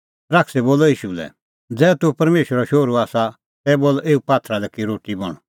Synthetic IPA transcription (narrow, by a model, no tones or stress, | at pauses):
ɾaːkʰsɛboːlɔiːʃulɛ̰ | d͡zɛːt̪upɐɾmeːʃɾɔʃoːɾuaːsa | t̪ɛboːlʔeːupaːt̪ʰɾalɛkiɾoːʈibɔ̰ɽ̃